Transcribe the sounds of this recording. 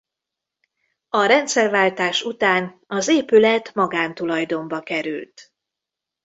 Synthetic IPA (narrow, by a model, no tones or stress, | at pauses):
ɒɾɛnt̪sɛrvaːlt̪aːʃut̪aːnɒzeːpylɛt̪mɒɡaːnt̪ulɒjd̪o̞mbɒkɛɾy̰lt̪